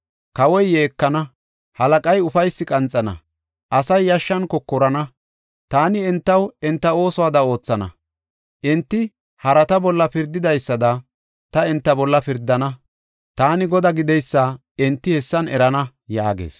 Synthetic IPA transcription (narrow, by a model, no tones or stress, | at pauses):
kɐwɔjːe̞ːkːɐnɐ | hɐlɐkʼɐjʊfɐjsːɪkʼɐnt͡sʼːɐnɐ̰ | ʔɐsɐjːɐʃːɐnkɔkːɔɾɐnɐ | t̪aːnɪɛnt̪ːɐwɛnt̪ːɐo̞ːsɔwaːd̪ɐo̞ːt͡sːɐnɐ̰ | ʔɪnt̪ːɪ | hɐɾɐt̪ɐbɔlːɐpɪɾd̪ɪd̪ɐjsːɐd̪ɐ | t̪ɐɪnt̪ːɐbɔlːɐpɪɾd̪ːɐnɐ | t̪aːnɪɡɔd̪ɐɡɪd̪ɛjsːɐ | ɪnt̪ːɪhɛsːɐnɛɾɐnɐ | ja̰ːɡḛːs